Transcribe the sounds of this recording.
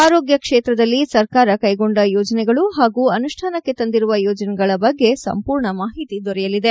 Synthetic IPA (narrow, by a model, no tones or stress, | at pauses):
aːɾoːɡjɐkʂeːt̪ɾɐd̪ɐlːisɐɾkaːɾɐkɐjɡo̞ɳɖɐjoːd͡ʒɐnɛɡɐɭuɦaːɡuːɐnuʂʈʰaːnɐkːet̪ɐnd̪iɾuʋɐjɔːd͡ʒɐnɛɡɐɭɐbɐɡːe̞sɐ̰mpuːɾɳɐmaːɦit̪id̪ɔɾɛjɐlid̪e̞